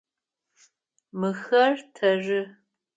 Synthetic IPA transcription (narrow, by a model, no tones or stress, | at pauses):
mɨxɐrtʰɐʐɨ